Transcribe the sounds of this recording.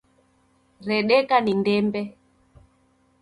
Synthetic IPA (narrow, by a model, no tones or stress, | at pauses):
ɾɛɗɛkanindɛmbɛ